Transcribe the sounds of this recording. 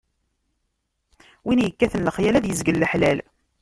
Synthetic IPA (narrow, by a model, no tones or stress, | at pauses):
winjəkːæθənləχjælæðjəzɡəlːəħlæl